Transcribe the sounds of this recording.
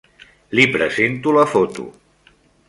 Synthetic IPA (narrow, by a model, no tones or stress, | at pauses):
lipɾəzent̪uləfot̪ṵ